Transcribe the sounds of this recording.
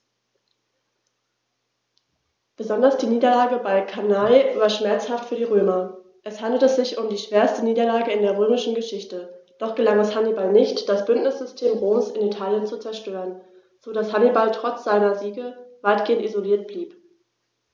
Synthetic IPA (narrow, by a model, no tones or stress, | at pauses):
b̥əzɔndɐsd̥iːniːdɐlaːɡəbaɪkʰanaɪvaːɐʃmɛɐt͡shaftfyːɐdiːʁøːmɐ | ʔɛshandl̩təz̥ɪçʊmdiːʃv̥eːɐstəniːdɐlaːɡəɪndeːɐʁ̞øːmɪʃn̩ɡəʃɪçtəd̥ɔχɡ̥əlaŋɛshanibalnɪçtd̥asb̥ʏntnɪsz̥ʏstʰeːmʁoːmsɪnitʰaːljənt͡sut͡sɛɐʃtøːʁən | z̥oːdashanibaltʁ̥ɔt͡sz̥aɪnɐziːɡəvaɪtɡ̥eːəntizoliːɐt̚b̥liːp